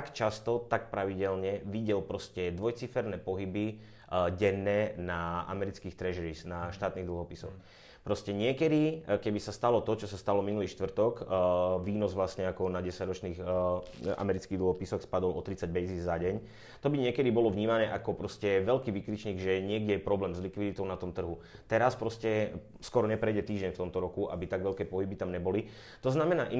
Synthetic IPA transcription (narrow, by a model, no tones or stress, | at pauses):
akt͡ʃast̪ɔt̪ak̚pɾaʋiɟɛlɲɛʋiɟɛlpɾɔscɛd̪ʋɔjt͡sifɛɾnɛːpɔɦibi | ɟɛnːɛːnaa̰mɛɾit͡skiːxt̪ɾɛʒɛɾisnaʃt̪aːt̪niɣd̪l̩ɦɔpisɔ̰x | pɾɔscɛɲɪɛkɛd̪ikɛbisast̪alɔt̪ɔt͡ʃɔsast̪alɔminuliːʃt̪ʋr̩t̪ɔkʋiːnɔzʋlasɲɛakɔnaɟɛsaɟɾɔt͡ʃniːx | a̰mɛɾit͡skiɣd̪l̩ɦɔpisɔxspad̪ɔlʔɔ̰t̪ɾit͡saɟ̚bɛziːzaɟɛɲ | t̪ɔbiɲɪɛkɛd̪ibɔlɔvɲiːmanɛːʔakɔpɾɔscɛʋɛlkiːʋikɾit͡ʃɲiːɡʒɛɲɪɛɡɟɛɛpɾɔblɛːmzlikʋid̪it̪ɔʊnat̪ɔmt̪r̩ɦu | t̪ɛɾaspɾɔscɛ | skɔɾɔɲɛpɾɛjɟɛt̪iːʒɟɛɲft̪ɔmt̪ɔɾɔkuʔa̰bit̪aɡʋɛlkɛːpɔɦibit̪amɲɛbɔli | t̪ɔznamɛnaːʔi